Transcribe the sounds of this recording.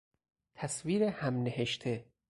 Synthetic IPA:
t̪ʰæsviːɾehæmneɦeʃt̪ʰe

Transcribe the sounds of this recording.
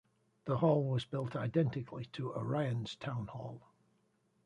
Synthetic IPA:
ðəhɔlˠwɒzbɪlˠtʰaɪdɛ̃ntɪkʰlitʰəə̰ɹaɪə̃nz̥tʰãʊ̃nhɔlˠ

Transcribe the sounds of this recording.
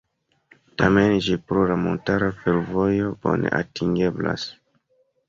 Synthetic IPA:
tamend͡ʒipɾolamo̞ntaɾafeɾvo̞jo̞b̥o̞̰ne̞̰ʔatiŋɡe̞bla̰s

